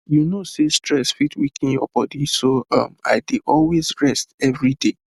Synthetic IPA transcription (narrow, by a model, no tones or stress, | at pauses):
junosestɹɛsfitwikʰĩnjɔ̰b̥ɔdisoʌ̰ma̰ɪdeʔɔlwezɹɛstɛvɹide